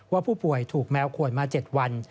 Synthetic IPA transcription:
waː˥˩pʰuː˥˩pu˨˩əjt̪ʰuː˨˩k̚mɛː˦˥wkʰu˧˩ənmaː˧t͡ɕe˨˩t̪̚wa˧n

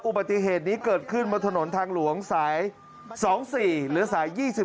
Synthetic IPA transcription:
ʔu˨˩ba˨˩t̪ːi˧ɦeː˨˩t̪̚niː˦˥kɤː˨˩t̪̚kʰɯ˥˩nmaː˧t̪ʰa˧no˩˦nt̪ʰaː˧ŋlu˩˦əŋsaː˩˦j | sɔː˩˦ŋsiː˨˩lɯː˩˦saː˩˦jːiː˥˩si˨˩

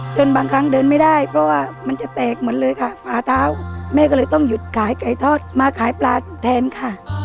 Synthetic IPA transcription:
t͡ɕo˧nbaː˧ŋkʰa˦˧˥ŋdɤː˧nma˥˩jda˥˩jpʰɾɔ˦˧˥waː˥˩ma˧nt͡ɕa˨˩t̪ɛː˨˩k̚mɯ˩˦nlɤː˧jkʰa˥˩fʰaː˨˧˩t̪ʰaː˨˦˥wmɛː˧˩kɔ˥˩lɤː˧jt̪ɔ˥˩ŋju˨˩t̪̚kʰaː˨˩˦jka˨˩jt̪ʰɔː˥˩t̪̚maː˧kʰaː˨˩˦jplaː˧t̪ʰɛː˧nkʰa˥˩

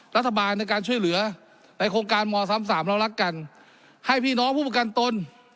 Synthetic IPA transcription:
ɾa˦˥t̪ʰːa˧baː˧nːa˧jkaː˧nt͡ɕʰu˥˩əjlɯ˩˦ɐ | na˨˧˥jkʰoː˧ŋkaː˧nmɔː˧sa˧˦˥msaː˩˦mɾa˧˩wla˦˥˩kːa˧n | ha˥˩jpʰiː˥˩nɔː˦˥ŋpʰuː˥˩p̚ːa˧ka˧nt̪o˧n

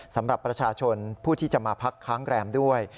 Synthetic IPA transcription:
sa˩˦mɾa˨˩pːɾa˧t͡ɕʰaː˧t͡ɕʰo˧npʰuː˥˩t̪ʰiː˥˩t͡ɕa˨˩maː˧pʰa˦˥kʰːaː˦˥ŋɾɛː˧mdu˥˩əj

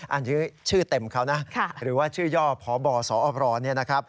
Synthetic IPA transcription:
ʔa˨˩nt͡ɕɯ˦˥t͡ɕʰɯː˥˩t̪e˨˩mkʰa˦˥˩wna˦˥kʰa˥˩ɾɯː˩˦waː˥˩t͡ɕʰɯː˥˩jɔː˥˩ɔː˩˦bɔː˨˩sɔː˩˦ʔɔː˨˧˩p̚ɾɔː˧˩ni˥˩ɐna˦˥kʰa˦˥p̚

